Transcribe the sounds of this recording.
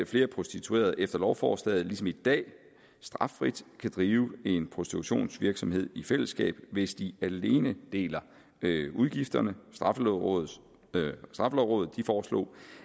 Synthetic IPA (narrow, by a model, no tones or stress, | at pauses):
fle̝ːɐpʰo̝sd̥it͡sʰue̝̰ːɐð̞̩ˠʔefd̥ɐlɒʊfɒ̰ːsd̥ɛð̩ˠlisɒ̽mid̥ɛ̰ː | sd̥ʁɑ̈fʁid̥kʰæd̥ʁiːʊe̝npʰʁo̝sd̥it͡sʰuɕo̝̰ːnsʋiɐɡ̥sɒ̽mhe̝ð̞̰ˠifel̰əsɡ̥ɛ̰ːb̥ʋe̝sd̥iæle̝ːnəd̥e̝̰ːlɐ | uðˠɡ̥ifd̥ɐnəsd̥ʁɑ̈flʁɔð̩ˠ | sd̥ʁɑ̈fəlɒʊʁɔ̽ːð̩ˠd̥ifɒːslo̰ː